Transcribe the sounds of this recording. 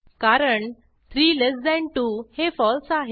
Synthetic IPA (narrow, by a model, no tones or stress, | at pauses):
kaɾəɳ | t̪ʰɾiːlesd̪ɛ̃ɳʈuhefɔlsaɦe